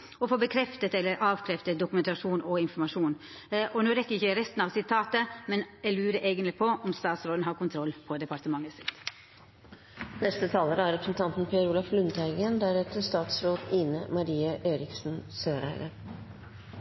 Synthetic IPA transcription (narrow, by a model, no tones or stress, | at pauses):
ɔfoːbəkʰɾɛft̪ət̪ɛlːəɾʔɑːʋkʰɾɛft̪ət̪̚d̪ʊkʉmɛnt̪ɑʂuːnʔɔɪnfɔɾmɑʂuːn | ʔɔnoːɾɛkːəɾɪçəɾɛst̪n̩ɑʋsɪt̪ʰɑːt̪əmɛnjælʉːɾəʔeːɡənlɪpʰɔʔɔmst̪ɑːt̪sɾoːd̪n̩hɑːɾkʊnt̪ʰɾɔlːpʰɔd̪ɛpɑɾt̪əmɑŋːəsɪ̥t̪ː | nɛst̪ət̪ʰɑːləɾəæɾɛpɾəsn̩t̪ʰɑnt̪n̩pʰɛɾuːlɑflʉnt̪æɪɡənd̪æɾɛt̪əst̪ɑːt̪sɾoːd̪iːnəmɑɾiːəʔeːɾɪksn̩søːɾæ̰ɪɾə